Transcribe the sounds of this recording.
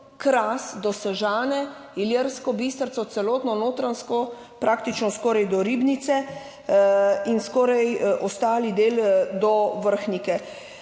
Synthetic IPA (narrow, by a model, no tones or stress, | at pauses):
kɾaːsd̪ɔsɛʒaːnɛ | iljeɾskɔbist̪əɾsɔt̪sɛlɔːt̪nɔnoːt̪ɾanskɔ | pɾak̚t̪it͡ʃnɔskɔːɾajd̪ɔɾiːbnit̪sɛ | inskɔːɾajʔɔst̪aːlid̪eːld̪ɔʋəɾxnikɛ